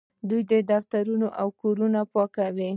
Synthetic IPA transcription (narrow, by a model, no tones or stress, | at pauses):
d̪ujd̪əd̪aft̪aɾunoʔawkoɾunapɑkawi